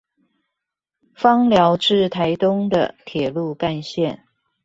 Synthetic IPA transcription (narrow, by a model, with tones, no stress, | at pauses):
fɑ˥ŋljɑ˧˥ʊʈ͡ʂɻ̩˥˩t̪ʰa˧˥ɪt̪ʊ˥ŋd̪ə̰˨t̪ʰjɛ˨˩lu˥˧ka˥˧nɕjɛ˥˩n